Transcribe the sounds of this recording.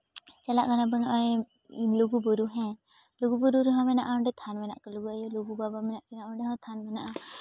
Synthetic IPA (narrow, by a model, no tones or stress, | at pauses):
t͡ʃɛlaʔɡanabənɔʔɔj | luɡubɔɾuɦɛ̃ | luɡubɔɾuɾuɦãmɛnaʔaɔɳɖɛt̪ʰanmɛna̰ʔkaluɡuajɔluɡubabamɛnaʔkɛnaʔɔɳɖɛɦɔ̃t̪ʰanmɛnaʔa